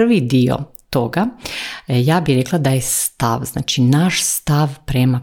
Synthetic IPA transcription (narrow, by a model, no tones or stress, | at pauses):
rʋid̪io̰ | t̪oɡa | jaːbiɾe̞klˠad̪ajest̪a̰ʋzna̰ːt͡ʃinaʃst̪aʋpɾema